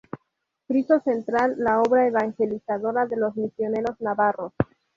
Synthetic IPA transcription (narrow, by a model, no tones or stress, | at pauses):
kɾiso̞sent̪ɾalːao̞βɾaeβaŋxe̞lisað̞o̞ɾaðe̞lo̞zmisjo̞ne̞ɾo̞znaβaro̞s